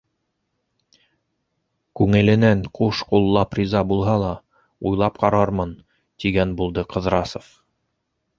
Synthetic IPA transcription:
kʉŋɘ̆lɘ̆næŋquʃqulˠːɑprʲizɑbulˠɦɑlˠɑ | ujlˠɑp̚qɑɾɑɾmɤn | t̪iɡænbulˠd̪ɤqɤ̆ðɾɑsŏf

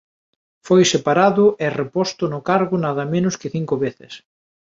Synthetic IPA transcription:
fojsepaɾaðʊʔerepɔst̪ʊnʊkaɾɣʊnaðɐmẽnʊskɪθiŋkʊβeθɪ̰s

